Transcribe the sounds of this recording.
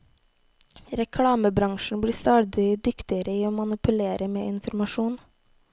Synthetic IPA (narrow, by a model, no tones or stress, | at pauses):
ɾɛkʰɽɑːməbɾɑŋʃɳ̩bɽiːst̪ɑːd̪ɪd̪ʏkt̪ɪəɾəiːoːmɑnɪpʉleːɾəmḛːɪnfɔɾmɑʃuːn